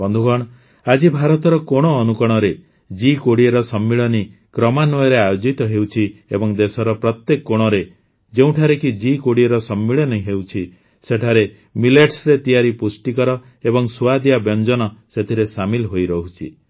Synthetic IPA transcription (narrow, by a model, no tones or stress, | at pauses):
bɔnd̪ʱuɡɔɽ̃ | ad͡ʒibʱaɾɔt̪ɔɾɔkoɽ̃ɔːnukɔɽ̃ɔɾe | d͡ʒikoɽieɾɔsɔmːiɭɔnikɾɔmanɔjɔɾeajod͡ʒit̪ɔɦewt͡ʃʰiebɔŋd̪esɔɾɔpɾɔt̪jekːoɽ̃ɔɾe | d͡ʒeũʈʰaɾekid͡ʒikoɽieɾɔsɔmːiɭɔnɔiɦewt͡ʃʰi | seʈʰaɾe | mileʈsɾet̪ijaɾipusʈikɔɾɔ | ebɔŋsuad̪ijabjɔnd͡ʒɔnɔset̪ʰiɾesamilɦojɾɔɦut͡ʃʰi